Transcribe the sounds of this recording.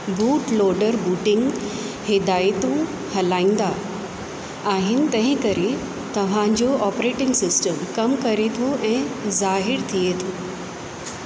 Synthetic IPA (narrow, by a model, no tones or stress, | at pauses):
buːʈloːɖəɾbuːʈɪ̃ŋɡ | hɪd̪aːjt̪ũ | hɐlãːĩːn̆d̪a | aːɦɪnɪ̆t̪ɐ̃ɦɪ̃kɐɾe | t̪ɐʋ̤ãd͡ʑoʔɔːpɾeːʈɪ̃ŋɡsɪsʈəmkɐmkɐɾet̪ʰoʔɛ̃ːzaːɦɪɾt̪ʰiet̪ʰoː